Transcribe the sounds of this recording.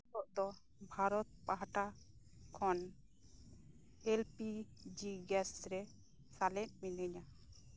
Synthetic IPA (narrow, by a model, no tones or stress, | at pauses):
t̪ɔʔd̪ɔ | bʱaɾɔt̪̚paɦaʈa | kʰɔn | elpid͡ʒiɡɛsɾɛ | salɛn̚minəɲa